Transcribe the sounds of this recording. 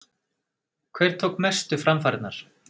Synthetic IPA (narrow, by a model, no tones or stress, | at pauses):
kʰvɛjɾ̥t̪ʰowkmɛst̪ʏfɾamfaːɾɪt̪naɾ̥